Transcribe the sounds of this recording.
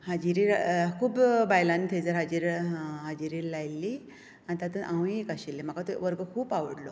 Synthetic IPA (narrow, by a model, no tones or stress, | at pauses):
had͡ʑiɾiɾkʰuːbbajlant̪ʰed͡zəɾɦad͡ʑiːɾɦad͡ʑiɾiːlajlːi | ant̪at̪ənʔãw̃iekaɕilːem̤akat̪oʋəɾɡəkʰuːpaʋəɽlo